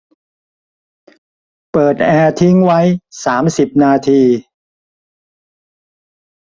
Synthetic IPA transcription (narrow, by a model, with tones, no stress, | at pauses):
pɤː˨˩t̪̚ʔɛː˧t̪ʰi˦˥ŋwa˦˥jsaː˩˦msi˨˩p̚naː˧t̪ʰiː˧